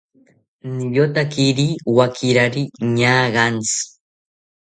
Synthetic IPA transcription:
nijot̪akiɾiwakʰiɾaɾiɲaɣant͡s

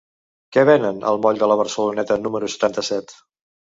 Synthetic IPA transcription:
kɛβ̞ɛnənə̰lˠmɔʎd̪ələβ̞əɾsəlunɛt̪ənuməɾusə̥t̪ant̪əsɛt̪

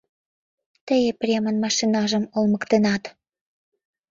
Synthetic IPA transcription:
t̪əjeprʲemə̆nmɑʃinɑʒəmolməkt̪enɑt̪

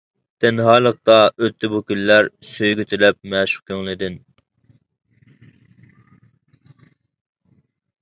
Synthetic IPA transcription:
d̪̥ɛnɦɑːlˠəq̚t̪ɑʔøt̪ʰːɪbukʲylːæɾsøjɡʲyt̪ʰɪlɛp̚mɛʃʊ̥q̚kʲʰøŋlˠɪd̪ɪn

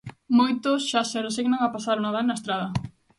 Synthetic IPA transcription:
mojt̪ʊsʃaseresiɣnaŋapasaɾunaðanaest̪ɾaðɐ

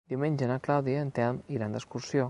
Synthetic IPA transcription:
d̪iuwmẽɲʲʒənaklawðiəːnt̪ɛɾmiɣɾand̪əskuɾsjo

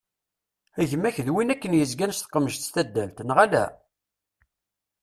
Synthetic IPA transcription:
æʝmæçðwinækːənjəzɡænst̪ə̥qːəməʒt̪st̪æd̪ːælt̪nʁælæ̰

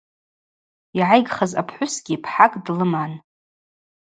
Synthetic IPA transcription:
iʕajɡχazapʰħʷʊsɡ̥ʲipʰħakʼdlɨman

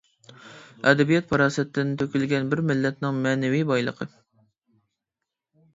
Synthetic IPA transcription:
ɛd̪ɛbijɛt̪̚pʰɑɾɑːsɛt̪ʰːɪnt̪ʰøkʲylɡʲɛnbɪɾmɪlːɛt̪̚nɪŋmɛːnɛvijbɑjlˠə̰qʰə

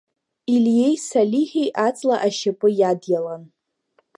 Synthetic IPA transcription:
ilje̞jsalʲiχʲejʔat͡sʼlaʔaʃapʼɨjadjalan

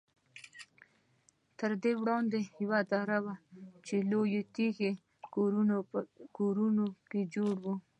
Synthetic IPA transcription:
t̪əɾd̪ewɽɑnd̪ejawad̪ɑɾawat͡ʃelojet̪ixe | koɾunoked͡ʒoɽwu

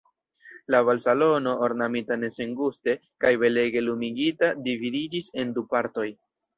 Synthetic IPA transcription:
laβalsalo̞no̞ʔoɾnamitane̞se̞ŋɡuste̞kajbe̞le̞ɡe̞lumiɡitadividid͡ʒise̞ndupaɾto̞j

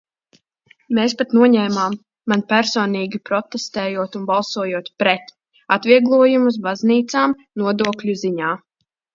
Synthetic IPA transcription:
meːspat̪nuɔɲɛːmaːmː | anpʲæɾsɔːniːɡʲipɾɔt̪est̪ɛːjuɔt̪unbalˠsuɔjuɔt̪pɾɛt̪ | at̪viɛɡlˠuɔjumus̬bazniːt̪saːm | nuɔd̪uɔklʲuziɲaː

